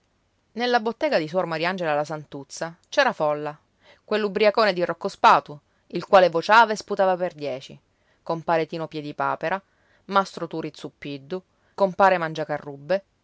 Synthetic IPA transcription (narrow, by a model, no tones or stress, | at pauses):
nelːabot̪ːɛːɡad̪is̬wɔrmaɾiand͡ʒelalːasant̪ut̪sːat͡ʃɛːɾafɔlːa | kwelːubɾiakoːned̪irokːospaːt̪u | ilkwaːlevot͡ʃaːvaesput̪aːvaperd̪jɛːt͡ʃi | kompaːɾet̪iːnopjɛd̪ipaːpeɾa | mast̪ɾot̪uɾit̪sːupːid̪ːu | kompaːɾemand͡ʒakarːubːe